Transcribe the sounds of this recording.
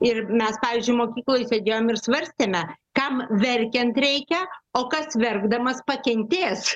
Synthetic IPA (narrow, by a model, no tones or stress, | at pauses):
ɪrmʲɛspɑːʋʲiːzʲd͡ʒʊɪmoːkʲiːklˠoːjɪsʲeːd̪ʲeːjoːmɪrsʋɐɾʲsʲt̪ʲeːmʲɛkɐmʋʲɛɾʲkʲɛnt̪ɾʲɛɪkʲɛoːkɐsʋʲɛrɡd̪ɐmɐspɐkʲɛnʲt̪ʲeːs